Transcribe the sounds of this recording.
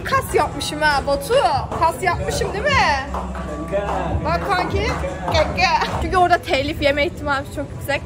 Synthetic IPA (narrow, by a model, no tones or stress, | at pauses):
kʰasjap̚mɯʃɯmæːbat̪ʰukʰasjap̚mɯʃɯmd̪imɪ | baksaŋcikɛɛt͡ʃʰyɲcyoɾd̪at̪ʰɛlʲifjemɛiçt̪ʰimaːmt͡ʃʰokjyksɛlʲ